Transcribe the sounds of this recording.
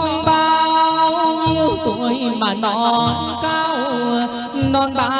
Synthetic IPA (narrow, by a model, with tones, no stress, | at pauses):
nɓaː˧ | ɲi˧əwku˧˨jmaː˨˩nɔ˧˩n˧kaː˧w | nɔ˧nɓa˧